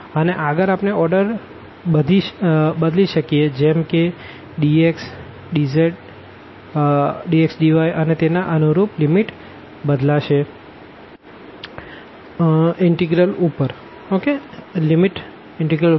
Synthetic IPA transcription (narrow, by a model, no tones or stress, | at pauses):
əneʔəɡəɾapneɔɾɖəɾ | bəd̪iʃbəd̪liʃəkijed͡ʒɛmke | ɖieks | ɖizeʈ | ɖieksɖiʋajʔənet̪enaʔənuɾuplimiʈ | bəd̪laʃe | ɪɳʈiɡɾəlupəɾ | okelimiʈ | ɪɳʈiɡɾəl